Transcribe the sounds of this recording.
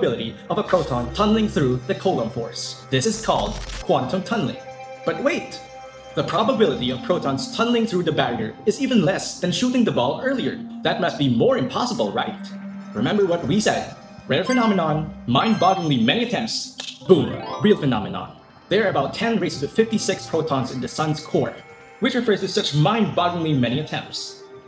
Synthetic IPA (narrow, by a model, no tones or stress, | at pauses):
bɪlˠɨɾiʌvəpʰɹ̥oʊtʰɔ̃ntʰʌ̃nlˠɪ̃ŋθɹuðɨkʰoʊlə̃mfɔ̰ɹsðɪsɨz̥kʰɔ̰lˠd̚kʰw̥ɑ̃ntʰõntʰʌ̃nl̩ˠɪ̰̃ŋ | b̥ʌt̚weɪt̪̚ | ðəpʰɹ̥ɑbəbɪlˠəɾiʌv̥pʰɹ̥oʊtʰɔ̃nz̥tʰʌ̃nlˠɪ̃ŋθɹuðɨbæɡə˞ɨzivɨ̃nlɛsðɨ̃nʃuɾɪ̃ŋðɨbɔlˠɜ˞lˠiə̰˞ðɨt̚mʌst̚b̥imɔɹɨ̃mpʰɑsəbl̩ˠɹa̰ɪt̚ɹɨmɛ̃mbə˞wʌt̚wisɛd̚ | ɹɛdfɨnɑmɨnɑ̃nmãɪ̃nbɑɡɪ̃ŋlimɛniɨtʰɛ̃mp̚tsb̥ũmɹilˠfɨnɑ̰mɨnɑ̰̃n | ðə˞ɨbaʊtʰɛ̃nɹeɪsɨzʌfɪftisɪkspʰɹ̥oʊtʰɔ̃nzɨ̃nðɨsʌ̃nz̥kʰɔɹt̚ | wɨt͡ʃɹɨfɜ˞z̥tʰɨsʌt͡ʃmãɪ̃nbɑɡɪ̃ŋlimɛñiɨtʰɛ̰̃mp̚ts